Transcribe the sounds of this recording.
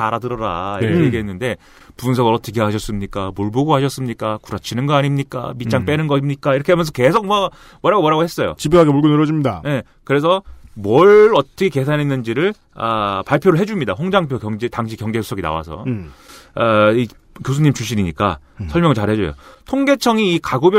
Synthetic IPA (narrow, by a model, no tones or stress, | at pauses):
aɾadɯɾʌɾaiɾkkʰekeɦenːɯnde̞ | punsʰʌɡɯɾʌtʰʌk̬ʰeɦaɕʰʌs͈ɯmɲik͈amoɭboɡoɦaɕʰʌs͈ɯmɲik͈akuɾʌt͡ɕʰinɯnɡʌaɲimɲik͈a̰mit͡ɕ͈aŋp͈e̞nɯnɡʌmɲik͈aiɾʌkʰeɦamjʌns̬ʰʌke̞sʰok̚mʌ | mʌɾaɡowʌɾaɡohe̞s͈ʌjo̰t͡ɕibɯɦaɡemuɭɡunɯɾʌd͡ʑimɲida̰je̞ | kɯɾe̞s̬ʰʌmwʌɭʌt͈ʌkʰeke̞s̬ʰanɦenːɯnd͡ʑiɾɯɭ | apaɭpʰjoɾɯɭɦe̞d͡ʑumɲidaɸoŋd͡ʑaŋpʰjokjʌŋd͡ʑetaŋɕ̬ʰikjʌŋd͡ʑe̞su̥sʰʌɡina̰wa̰sʰʌ̰ | ai | kjos̬ʰuɲːimt͡ɕuɕ͈iniɲik͈a̰ | sʰʌɭmjʌŋɯɭt͡ɕaɭhe̞d͡ʑo̰jo̰tʰoŋɡe̞t͡ɕʰʌŋiːkaɡobjʌ